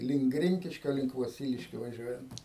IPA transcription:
lʲɪŋk ˈɡrʲɪŋʲkʲɪʃʲkʲoː lʲɪŋk ʋoːˈsʲiːlʲɪʃʲkʲoː ʋɐˈʒʲuɔjɛnt

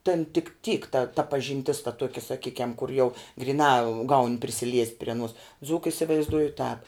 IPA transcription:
tʲɛn tʲɪk tʲiːk tɐ tɐ pɐʒʲɪnʲˈtʲɪs tɐ ˈtuɔkʲɛ sɐˈkʲiːkʲɛm kʊr jɛʊ ɡrʲɪˈnɑː ɡɐʊnʲ pʲrʲɪsʲɪˈlʲiɛsʲtʲ pʲrʲɪ ɐˈnuɔs ˈd͡zuːkɐ ɪsʲɪʋɐɪzˈduɔjʊ tɑːp

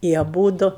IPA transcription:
ɪ ɐˈbuːdʊ

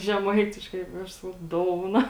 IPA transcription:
ʒʲɛˈmɐɪtʲɪʃkɐɪ ɪ ˈɐʃ ˈsɑːkɐʊ ˈdoːʊnɐ

